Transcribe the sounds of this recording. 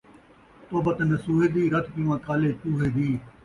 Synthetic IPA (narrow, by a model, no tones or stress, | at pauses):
t̪oːbət̪nəsuːɦeːd̪iːɾət̪ʰpiːʋãːkaːleːpuːɦeːd̪iː